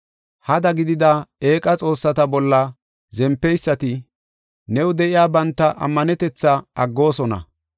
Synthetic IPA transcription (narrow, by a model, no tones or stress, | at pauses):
hɐd̪ɐɡɪd̪ɪd̪aːeːkʼɐt͡sʼo̞ːsːɐt̪ɐbɔlːɐ | zɛmpːɛjsːɐt̪ɪ | nɛwʊd̪ɛʔɪjaːbɐnt̪ːɐʔɐ̰mːɐnɛt̪ɛt͡sːɐɐɡːo̞ːsɔnɐ̰